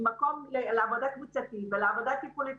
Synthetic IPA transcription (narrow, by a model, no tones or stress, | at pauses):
makomleleavod̪akmit͡sat̪itveleavod̪akipuli